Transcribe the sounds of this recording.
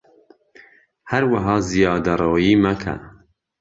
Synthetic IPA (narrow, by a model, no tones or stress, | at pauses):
hɐɾwɐɦɑːzijɑːd̪ɐrˤoːjiːmɐkʰɐ̰